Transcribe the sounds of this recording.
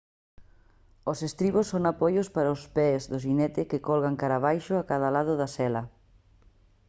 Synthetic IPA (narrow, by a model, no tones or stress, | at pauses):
osest̪ɾiβosːoŋapɔjospaɾaʊspɛzðʊʃ̬inɛt̪ɪkekɔlɣaŋkaɾaβ̞ajʃʊakaðalaðʊðasɛlɐ